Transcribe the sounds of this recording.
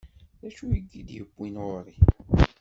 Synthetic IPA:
ðæʃujəɡːid̪jəbʷːinʁʊɾˤi

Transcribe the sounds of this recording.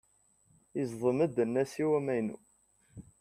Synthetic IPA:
izðˤəməd̪ənːæsiwæmæjnṵ

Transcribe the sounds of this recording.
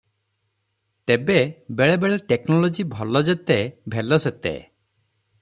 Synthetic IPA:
t̪ebebeɭebeɭeʈeknɔlɔd͡ʒibʱɔlɔd͡ʒet̪ebʱelɔset̪ḛ

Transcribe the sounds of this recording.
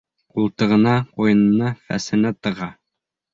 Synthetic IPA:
qulˠt̪ɤ̆ʁɤ̆nɑqujɤ̆nɤ̆nɑfæ̰sɘ̆næt̪ɤ̆ʁɑ

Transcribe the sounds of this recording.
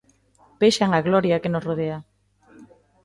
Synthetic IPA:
peʃaŋaɣlɔɾjakenosroðea

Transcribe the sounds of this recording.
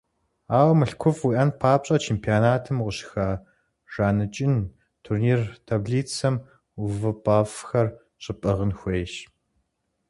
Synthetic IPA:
aːwɐmɨɬkʷʰʊfwiʔɐnpʰaːpɕʼɐt͡ʃʰeːmpʰijaːnaːtʰɨmʁʊɕxaː | ʒ̥aːnɨt͡ʃʼɪn | tʰurniːrtʰaːbɮiːt͡sʰɐm | uvɨpʼaːfxɐr | ɕʼɪpʼɐʁənxʷejʃ

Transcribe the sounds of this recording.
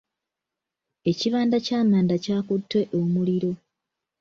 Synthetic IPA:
e̞ciβaːndacaːmaːndacaːkutːwe̞ʔomuliɾo̞

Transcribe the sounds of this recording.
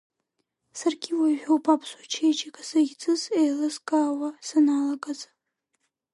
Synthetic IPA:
sarɡʲiwaʒᶣowpʰapʰsut͡ʃʰejt͡ʃʼakʼasaɡʲt͡sʼɨzejlɨzkʼaːwasanalaɡʼaza

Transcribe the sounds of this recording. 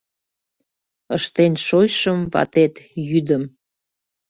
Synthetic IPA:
əʃt̪enʲʃojʃəmβɑ̰t̪et̪jyd̪əm

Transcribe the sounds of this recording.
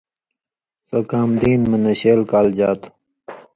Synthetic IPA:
sokaːmd̪iːnmɐnɐɕeːlkaːld͡ʑaːt̪u̥

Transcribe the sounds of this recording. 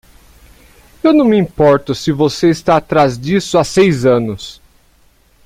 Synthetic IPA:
ewnɐ̃w̃mɪĩpɔɾt̪ʊsɪvoseɪst̪aːt̪ɾazd͡ʒisʊasejzɐ̃nʊs

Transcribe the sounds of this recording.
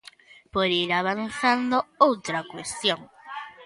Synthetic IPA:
poɾiɾaβanθand̪oowt̪ɾakwest̪joŋ

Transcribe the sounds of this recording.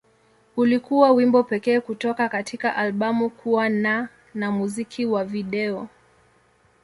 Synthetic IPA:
ulikuwawimbɔpɛkɛːkutɔkakatʰikaʔalɓamukʰuwana | namuzikʰiwaviɗɛɔ

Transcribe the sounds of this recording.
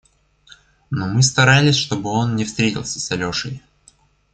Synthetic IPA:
nomɨst̪ɐɾalʲɪsʲʂt̪o̞bɨo̞nnʲɪfst̪ɾʲetʲɪ̰lˠsʲə̥sɐlʲoʂə̰j

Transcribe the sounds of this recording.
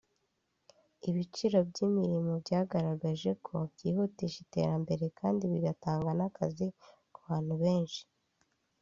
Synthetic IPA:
iβit͡ʃiɾo̞bɟimiɾimo̞bɟaːɡaɾaɡaʒe̞kʰo̞bɟiːhutiʃite̞̰ɾambe̞ɾe̞kʰaːndiβiɡataːŋɡanakazikuβaːn̥huβe̞ːnʃi̥

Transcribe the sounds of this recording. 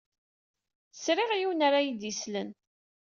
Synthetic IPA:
sɾɪʁjiwnaɾajid̪islən

